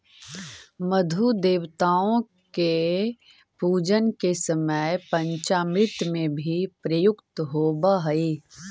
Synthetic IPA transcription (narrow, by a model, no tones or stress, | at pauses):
məd̪ʱud̪eːwt̪aːõ | ke | puːd͡ʒənkesəməjpə̃ɲt͡ʃaːmɾɪt̪mẽbʱipɾəjʊkt̪ɦoːbəɦɐi